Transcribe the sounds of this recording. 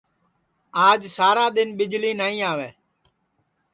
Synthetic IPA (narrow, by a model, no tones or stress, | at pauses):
aːd͡ʒsaːɾaːd̪ɪnɓɪd͡ʒliːnaːĩːaːʋeː